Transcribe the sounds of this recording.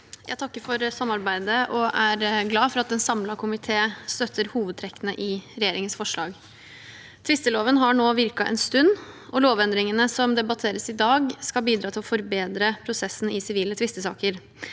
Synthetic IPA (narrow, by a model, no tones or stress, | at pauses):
jʔæ̰t̪ɑkːəɾfɔɾsɑmːɑɾbæɪd̪əʔɔʔæɾɡlɑːfɔɾɑt̪̚d̪ɛnsɑmlɑkʰʊmɪt̪ʰeːst̪œt̪ʰːəɾhuːʋəd̪t̪ʰɾɛkːənəʔɪɾɛjeːɾɪŋənsfɔʂɭɑ̰ːɡ | t̪ʰʋɪst̪əloːʋənɦɑɳoːʋɪɾkɑʔɛ̰nst̪ʉnːʔɔloːʋɛnd̪ɾɪŋənəsɔmd̪ɛbɑt̪ʰeːɾəsɪd̪ɑːɡskɑlbiːd̪ɾɑːt̪ʰɪlɔfɔɾbeːd̪ɾəpʰɾʊsɛsːn̩ɪsɪʋiːlət̪ʰʋɪst̪əsɑ̰ːkəɾ